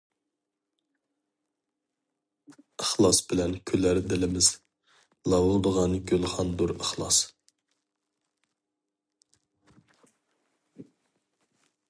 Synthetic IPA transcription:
əχlˠɑsbɪlɛnkʲʰølæɾd̪ɪlɪmɪz̥ | lˠɑwʊd̪əʁɑnɡʲølˠχɑnd̪uɾəχlˠɑ̰s

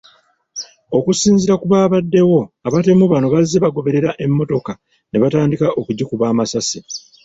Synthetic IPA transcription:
o̞kusiːnziɾakuβaːβadːe̞wo̞aβate̞muβano̞βazːe̞βaɡo̞βe̞ɾe̞ɾaʔe̞mːo̞to̞ka | ne̞βataːndikaʔo̞kuɟikuβaːmasasi

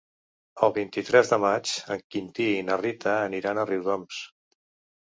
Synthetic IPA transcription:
əlˠβint̪it̪ɾɛzðəmat͡ʃəŋkint̪iːnərit̪ʰəːniɾanəriwðɔms

